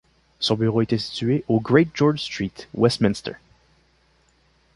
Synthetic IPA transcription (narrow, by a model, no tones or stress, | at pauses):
sɔ̃byʁoet̪ɛsi̥t̪ɥeʔoɡʁet̪̚ʒɔɹd͡ʒst̪χit̪wɛst̪mĩnst̪ə̰ɹ